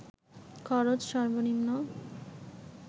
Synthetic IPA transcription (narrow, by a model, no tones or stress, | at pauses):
kʰɔɾod͡ʑʃɔɾbonimno